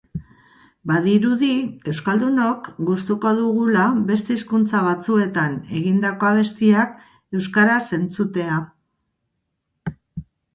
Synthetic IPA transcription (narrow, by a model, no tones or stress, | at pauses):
baðiɾuðie̞wskald̪uno̞kɡust̪uko̞ðuɣ̞ulaβe̞st̪e̞iskunt͡saβat͡sue̞t̪ane̞ɣind̪ako̞aβ̞e̞st̪iak̚ | e̞wskaɾase̞nt͡sut̪e̞a